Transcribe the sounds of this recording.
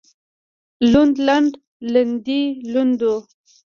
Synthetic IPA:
lund̪laɳɖ | land̪ilund̪o

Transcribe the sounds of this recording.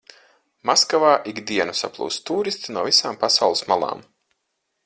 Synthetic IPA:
maskavaːʔiɡd̪iɛnusa̰plˠṵːst̪uːɾist̪inuɔvisaːmpasawlˠismalˠa̰ːm

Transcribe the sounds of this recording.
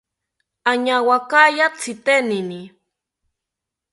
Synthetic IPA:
aɲawakajat͡sit̪enini

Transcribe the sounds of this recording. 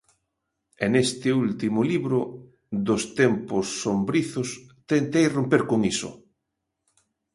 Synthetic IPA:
enest̪ɪult̪imʊliβɾʊ | d̪ʊst̪empʊsːombɾiθʊst̪ent̪ejrompeɾkoŋisʊ̰

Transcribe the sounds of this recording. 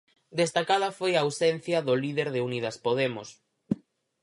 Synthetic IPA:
d̪est̪akað̞ɐfojaːwsɛn̟θjɐðʊliðeɾðɪunið̞ɐspoðemʊs

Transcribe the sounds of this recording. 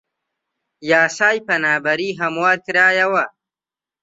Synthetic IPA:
jaːsaːjpɐnaːbɐɾiːɦɐmwaːɾkɾaːjawa

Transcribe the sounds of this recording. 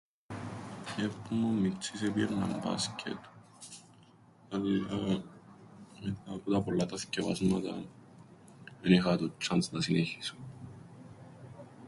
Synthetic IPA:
epːumomːit͡sisepiɾnɐ̰mbɐ̰scʲʰḛt̪ | ɐla | met̪apot̪ɐpolːɐt̪ɐsceva̰zmɐt̪ɐ̰ | ðenixɐt̪ut͡ʃːɐnsnɐsineçiso̥

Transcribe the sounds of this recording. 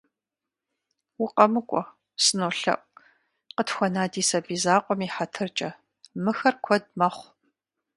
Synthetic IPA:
wʊqʼɐmɨkʷʼɔ | sɨnoːɬɐ̰ʔʷ | qətxʷɔnaːdiːsɐbiːzaːqʷʼɔmiːħatʰɨrt͡ʃʼɐ | mɨxɐrkʷʰɔd̚mɐχʷ

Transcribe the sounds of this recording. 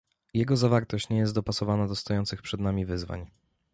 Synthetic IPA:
jɛɡɔzavaɾt̪ɔɕt͡ɕɲɛjɛst̪d̪ɔpasɔvanad̪ɔst̪ɔjɔnt̪sɘxpʂɛd̪namʲivɘzva̰ɲ

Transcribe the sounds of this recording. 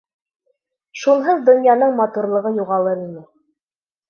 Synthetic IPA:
ʃunˠɦɤðd̪ŏnjɑn̪ɤɴmɑt̪uɾlˠɤ̆ʁɤjuʁɑlˠɤɾinɘ

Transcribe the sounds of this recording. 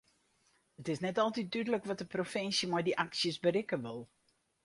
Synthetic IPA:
ətɪsnɛtɔlˠtit̚dydələkʋɔt̚dəprofɪnsjəmɔjdiʔaksjəsbəɾɪkəʋʊlˠ

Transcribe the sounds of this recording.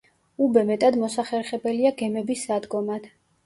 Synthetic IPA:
ubɛmɛt̪ʼad̪mɔsaχɛɾχɛbɛliaɡɛmɛbisːad̪ɡɔmad̪̥

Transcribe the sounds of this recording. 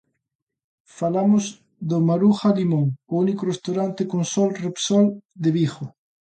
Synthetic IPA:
falamoz | d̪omaɾuxalimõŋounikorest̪awɾant̪ekonsɔlrepsɔld̪eβixo

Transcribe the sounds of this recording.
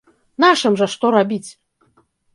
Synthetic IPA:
naʂɨmʐɐʂt̪ɔɾabʲit͡sʲ

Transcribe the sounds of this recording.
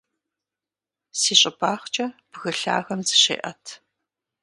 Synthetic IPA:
siːɕʼɪbʰaːχt͡ʃʼɐb̥ɣɨɬa̰ːɣɐmzɨɕḛːʔɐtʰ

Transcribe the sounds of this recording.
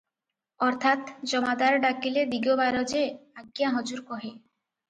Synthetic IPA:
ɔɾt̪ʰat̪d͡ʒɔmad̪aɾɖakiled̪iɡobaɾɔd͡ʒeaɡjaɦɔd͡ʒuɾkɔɦe

